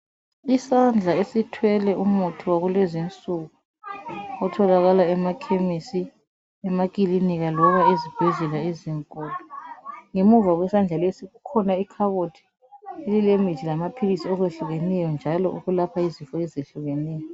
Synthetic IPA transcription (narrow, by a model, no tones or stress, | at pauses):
isand͡ɮʱaesitʰwɛlɛʔumutʰuwaɣulezint͡sʼuɣu | ɔtʰɔlaɣalaɛmakʰemisi | ɛmak̬ʼiliniɣalɔβaezib̥ʱɛɮɛlaeziŋkʼɔːlɔŋemuvaɣwɛsand͡ɮʱalesiɣukʰɔnaikʰaβotʰi̥ | elilemi̥d͡ʒʱilamapʰilisiɔɣweɬuɣenɛjɔnd͡ʒʱalɔʔṵɣulapʰaizifɔɛzeɬuɣenɛːjɔ